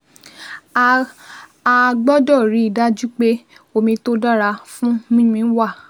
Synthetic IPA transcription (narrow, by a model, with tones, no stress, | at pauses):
a˧ɡ͡bɔ˦dɔ˦˨ɾi˨˦i˦˨da˦d͡ʒu˦k͡pe˦o˧˨mĩ˧to˦da˦ɾa˧fũ˦mĩ˦mĩ˧˦n̩˦wa˦˨